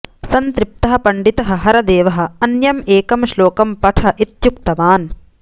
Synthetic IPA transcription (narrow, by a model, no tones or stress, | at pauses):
sɐnt̪ɾip̚t̪ɐɦɐ̆pɐɳɖit̪ɐɦɐ̆ɦɐɾɐd̪eːʋɐɦɐ̆ɐnjɐmeːkɐmʃloːkɐmpɐʈʰɐʔit̪juk̚t̪ɐʋaːn